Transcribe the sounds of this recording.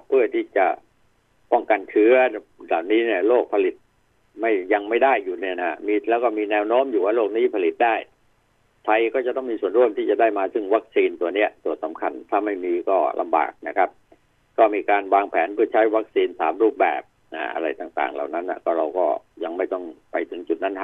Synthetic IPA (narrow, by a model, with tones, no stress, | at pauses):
pʰɯ˥˩ɐt̪ʰiː˥˩t͡ɕa˨˩ | pɔ˥˩ŋka˧nkʰɯ˦˥ɐ | laː˨˩wniː˦˥ni˥˩əloː˥˩k̚pʰa˧li˨˩t̪̚ | ma˥˩jːa˧ŋma˥˩jda˥˩jːuː˨˩ni˥˩na˦˥miː˧lɛː˦˥wkɔː˥˩miː˧nɛː˦˥wnoː˦˥˨mjuː˨˩waː˧˥˩loː˥˩k̚niː˦˥pʰa˧li˨˩t̪̚daː˥˩j | t̪ʰa˧jkɔː˥˩t͡ɕa˨˩t̪ɔ˥˩ŋmiː˧su˨˩ənɾu˥˩əmt̪ʰiː˥˩t͡ɕa˨˩daː˥˩jmaː˧sɯ˥˩ŋwa˦˥k̚siː˧nt̪u˧ɐni˦˥ɐt̪u˨˩ət̪̚sa˩˦mkʰa̰˧nt̪ʰaː˥˩ma˥˩jmiː˧kɔː˥˩lʔa̰˧mba̰ː˨˩k̚na˦˥˩kʰa˦˥p̚ | kɔː˥˩miː˧kaː˧nwaː˧ŋpʰɛː˩˦npʰɯ˥˩ɐt͡ɕʰa˦˥jwa˦˥k̚siː˧nsaː˩˦mɾuː˥˩p̚bɛ̰ː˨˩p̚ | ʔa̰ː˧˩ʔa̰˧ɾa˧jt̪aː˨˩ŋt̪a̰ː˨˩ŋla̰˨˩wna˦˥nːʔa̰˧˩kɔː˥˩ɾa˧wkɔː˥˩ja˧ŋma˥˩jt̪ɔ˥˩ŋpa˧jt̪ʰɯ˩˦ŋt͡ɕu˨˩t̪̚na˦˥n˦˥